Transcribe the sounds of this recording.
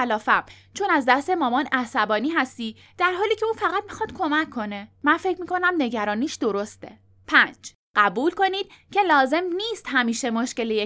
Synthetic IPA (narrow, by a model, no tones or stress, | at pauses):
ælɒːfæm | t͡ʃʰo̞næzd̪æst̪e̞mɒːmɒnæsæbɒːniːɦæst̪iː | d̪̥æɾɦɒːliːcʲʰe̞uːfæɣæt̪̚mixɒd̪̥kʰo̞mækʰːo̞ne̞mænfe̞cʰmiːkʰo̞næmne̞ɟæɾɒːniːʃd̪o̞ɾost̪e̞̰ | pʰænd͡ʒ | ɢ̥æbuːlko̞niːd̪̥̚cʰe̞lɒːze̞mniːst̪ɦæmiːʃe̞moʃce̞leje